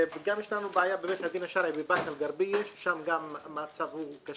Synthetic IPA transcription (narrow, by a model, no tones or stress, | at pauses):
ɡamjɛʃlanubeajabeːmet̪had̪inaʃaɾabebakalɡaɾbijeʃʃamɡamːat͡savhuka